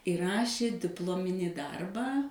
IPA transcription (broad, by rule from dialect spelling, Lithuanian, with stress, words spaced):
ɪ ˈrɑːʃʲeː dʲɪpˈlˠoːmʲɪnʲiː ˈdɐrbɑː